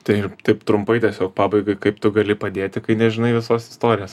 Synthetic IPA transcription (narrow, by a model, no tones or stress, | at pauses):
t̪ɐɪt̪ɐɪpt̪ɾʊmpɐɪtʲiɛsʲoːk̚pɑːbɐɪɡɐɪkɐɪpt̪ʊɡɐlʲɪpɐd̪ʲeːt̪ʲɪkɐɪnʲɛʒʲɪnɐɪʋʲɪsoːsɪ̥st̪oːɾʲɪjoːs